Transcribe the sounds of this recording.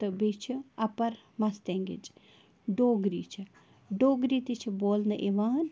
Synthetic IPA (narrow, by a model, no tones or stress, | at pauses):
t̪ɨbet͡ʃʰiɐpɐɾ | mɐst̪eːŋɡḭd͡ʒ | ɖoːɡɾiːt͡ʃʰi | ɖoːɡɾit̪it͡ʃʰiboːlnɐʔeʋaːn